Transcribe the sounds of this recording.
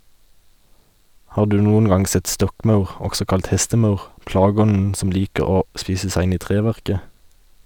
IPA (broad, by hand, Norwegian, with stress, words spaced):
ˈhɑː ˈdʉː ˈnuːən ˈɡɑŋ ˈsɛt ˈstɔkˌmɑʉʁ ˈɔɡsɔ ˈkɑlt ˈhɛstəˌmɑʉʁ ˈplɑːɡəˌɔnn̩ ˈsɔm ˈliːkə ˈoː ˈspiːsə ˈsæɪ ˈɪn ˈiː ˈtʁeːˌʋæʁkə